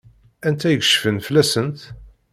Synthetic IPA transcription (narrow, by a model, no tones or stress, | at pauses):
ænt̪æjəkʃfənfəlæsənt̪